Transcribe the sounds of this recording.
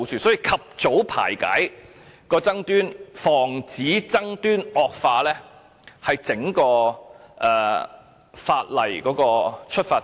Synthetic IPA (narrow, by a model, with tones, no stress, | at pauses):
wt͡ʃyː˨˩sɔː˨˥jiː˧kʰɐ˨p̚t͡so˨˥wpʰa̰ː˨˩jkɐ̰˨˥j | kɔː˧t͡sɐ˥ŋt̪yː˥nfɔː˨˩ŋt͡siː˨˥t͡sɐ˥ŋt̪yː˥nɔː˨k̚faː˧lɛː˥ | hɐ˨jt͡sɪ˨˥ŋkɔː˧ʔɛː˨ | faː˧t̚lɐ̰˨jkɔː˨˥kɔː˧t͡ʃʰɵ˥t̚faː˧